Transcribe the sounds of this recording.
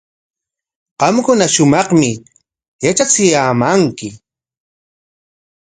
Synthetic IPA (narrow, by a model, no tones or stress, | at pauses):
qɑmkʊnaʃʊmɑχmɪ | jat͡ʃat͡sɪjaːmaŋkɪ